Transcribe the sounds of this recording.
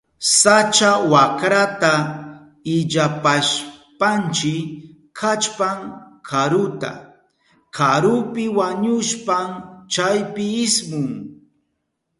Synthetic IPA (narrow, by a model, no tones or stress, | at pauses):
sat͡ʃawakɾat̪a | ɪʎapaʃpant͡ʃɪ | kʰat͡ʃpaŋkʰaɾʊt̪a̰ | kʰaɾʊpɪwaɲʊʃpamt͡ʃajpɪɪsmʊŋ